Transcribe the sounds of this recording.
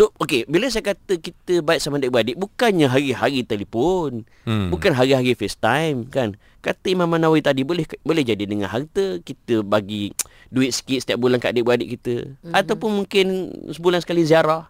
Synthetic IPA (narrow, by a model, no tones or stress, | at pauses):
sookebiləs̬ajəkat̪əkit̪əbaɪt̪ʔ̪̚samadɪʔ̚bəadɪʔbukanɲəɦaɾiɦaɾit̪alifon | bukanɦaɾiɦaɾifɛst̪ajmkan | kat̪əimãmanawit̪adibolɛhbolɛhd͡ʒadidəŋa̰nɦart̪əkit̪əbaɡi | duɪt̪̚sə̥kiɪt̪sə̥t̪iaʔ̚bulankaʔdɪʔbəadɪʔ̚kit̪ə̰at̪awpʊnmuŋkɪnsəbulansə̥kaliz̬iaɾah